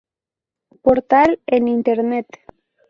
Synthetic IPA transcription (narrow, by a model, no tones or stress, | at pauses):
poɾt̪alenint̪eɾnet̪